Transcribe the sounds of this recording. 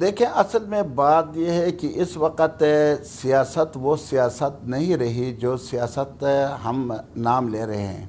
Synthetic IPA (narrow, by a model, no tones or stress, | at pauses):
d̪eːkʰẽʔɐsəlmẽbaːt̪jeɦɛkiʔɪsʋɐqət̪sijaːsət̪ʋosijaːsət̪̚nɐɦĩɾɐɦid͡ʒoːsijaːsət̪ɦɐmnaːmleːɾɐɦɦɛ̰̃ː